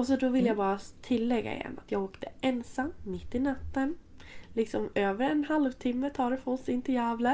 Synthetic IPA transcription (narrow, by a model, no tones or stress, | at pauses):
ɔs̬ɔd̪ɔvɪlːjabɑːɾat̪ʰɪlːɛɡːa̰ɪ̰jɛ̰nːa̰t̪jɑːɡɔpːd̪̥ɛʔɛnsamːɪt̪ːɪnat̪ːənlɪksɔmøːvəɾɛnhalvt̪ʰɪmːət̪ʰɑːɾɛfɔsɪnt̪əjæːvlə